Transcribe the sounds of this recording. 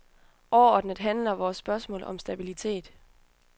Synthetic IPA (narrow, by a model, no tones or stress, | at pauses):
ʔɒʊɐɒːd̥nəd̥ˠɦænlɐʋɒːsːb̥ɶɐsmɔ̰̽ːlɒ̽msd̥æb̥ilit͡sʰe̝̰ːd̥